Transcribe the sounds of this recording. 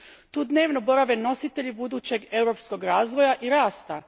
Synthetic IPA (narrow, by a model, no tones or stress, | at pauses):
t̪uːd̪ne̞ːʋno̞bo̞ɾaʋeno̞sit̪e̞ʎibud̪uːt͡ɕe̞ɡe̞wɾo̞psko̞ɡɾaːzʋo̞jaʔiɾaːst̪a